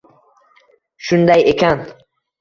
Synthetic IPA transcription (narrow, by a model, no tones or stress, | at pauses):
ʃund̪ajekʰand̪